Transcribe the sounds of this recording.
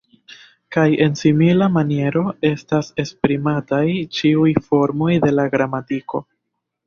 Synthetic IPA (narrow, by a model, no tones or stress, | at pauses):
kaje̞nsimilamanie̞ɾo̞e̞stase̞spɾimatajt͡ʃiujfo̞ɾmo̞jde̞laɡɾamatiko̞